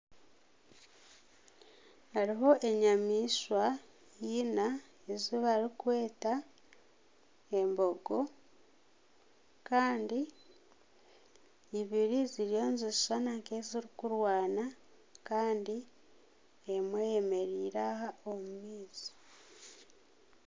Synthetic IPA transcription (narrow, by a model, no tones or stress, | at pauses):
aɾiɦo̞ʔe̞ɲamiːswa | jina | eziβaɾikwe̞ːta | embo̞ɡo̞ | kaːndi | βiɾiziɾjo̞ːnzizsanaŋkeziɾikuɾwaːna | kaːndi | emwejeme̞ɾiːɾahaomumiːzi̥